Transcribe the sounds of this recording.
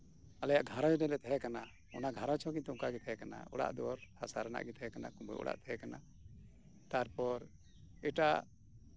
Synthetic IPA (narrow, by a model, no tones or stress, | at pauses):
alɛjaʔɡʱaɾɔ̃d͡ʒɔdɛlɛt̪ʰɛɦɛkana | ɔnaɡʱaɾɔt͡ʃʰɔ̃kiɲt̪uŋkaɡɛt̪ʰɛɦɛkana̰ɔ̰ɽa̰ʔd̪ɔɾhasaɾana̰ʔɡɛt̪ʰɛɦɛkanakumbṵjʔɔ̰ɽa̰ʔt̪ʰɛɦɛkana | t̪aɾpɔɾ | ɛʈa